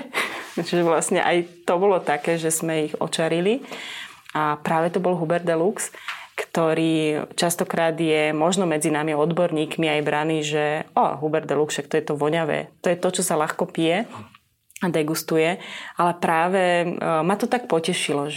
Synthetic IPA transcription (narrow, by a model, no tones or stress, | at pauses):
t͡ʃiʒɛʋlasɲɛ̰ʔajt̪ɔbɔlɔt̪akɛːʒɛzmɛiɣɔ̰t͡ʃaɾili | apɾaːʋɛt̪ɔbɔlɦubɛɾd̪ɛlukskt̪ɔɾiːt͡ʃast̪ɔkɾaːd̪jɛmɔʒnɔmɛd͡zinamiɔd̪bɔɾɲiːkmiajbɾaniːʒɛa̰ɦubɛɾd̪ɛluksʃak̚t̪ɔjɛt̪ɔʋɔɲaʋɛ̰ːt̪ɔjɛt̪ɔt͡ʃɔsalaxkɔpijɛ | ad̪ɛɡust̪ujɛalɛpɾaːʋɛmat̪ɔt̪ak̚pɔcɛʃilɔʒ